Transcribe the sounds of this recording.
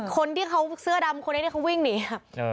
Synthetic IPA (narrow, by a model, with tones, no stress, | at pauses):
kʰo˧nt̪ʰiː˥˩kʰa˧˦˥wsɯ˥˩ɐda˧mkʰo˧nːa˧˦t̪ʰi˥˩a˧˦˥wi˥˩ŋniː˨˩a˧˩